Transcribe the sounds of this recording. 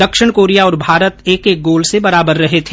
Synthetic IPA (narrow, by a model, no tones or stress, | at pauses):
d̪ɐkʃɪɽ̃koːɾijaɔːɾbʱaːɾət̪eːkeːk̚ɡoːlsebɐɾaːbəɾːɐɦet̪ʰeː